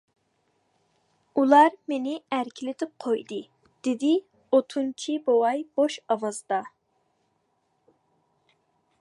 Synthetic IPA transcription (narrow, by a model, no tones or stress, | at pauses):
ulˠɑɾmenɪæɾkʲʰilɪt̪ʰɪp̚qʰojd̪ɨ | d̪̥ɪd̪ɪ | ot̪ʰunt͡ʃʰibowɑjb̥oʃɑwɑzd̪ɑ